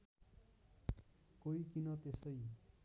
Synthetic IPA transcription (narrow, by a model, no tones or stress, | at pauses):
koikinʌt̪esʌj